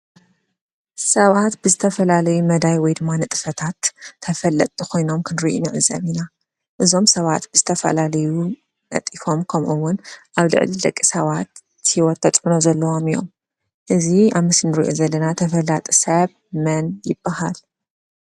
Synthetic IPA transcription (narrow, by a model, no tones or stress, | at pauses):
sɐβat̪bɨzɨt̪ʰɐfɐlalɐjumɐd̪ajwɔjd̪ɨmːanɨt̪ʼɨ̥fɐt̪ʰat̪ʰːɐfɐlɐt̪ʼɨkʰo̞jno̞mkʰɨnɾiʔṵnɨʕɨzɐ̰βina | ʔɨzo̞msɐβat̪b̥ɨzɨt̪ʰɐfɐ̰lalɐju | nɐ̰t̪ʼifo̞mkʰɐmʔuwːʊnʔaβlɨ̰ʕlid̪ɐkʼːisɐβat̪ | hiwɔt̪ːʰɐt̪ʼħunozɐlːɐwomijo̞̰m | ʔɨziaβmɨsnɨɾḭʔozɐlːɐnat̪ʰɐfɐlat̪ʼsɐβ | mɐnjɪb̥ːahal